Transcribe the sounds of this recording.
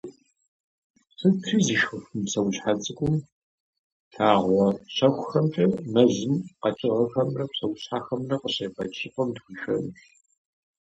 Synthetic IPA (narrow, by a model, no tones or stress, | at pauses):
sɨtʰizɨʃxɨxɨmsɐwɕħat͡sʼɨkʷʼʊm | tʰaːʁʷɔɕɐxʷxɐmtʼɐmɐzɨmqɐt͡ʃʼɪʁɐxɐmrɐpsɐwɕħaːxɐmrɐqəɕepɐt͡ʃʰʼɪqʼɐmtxʷiːʃɐnɕ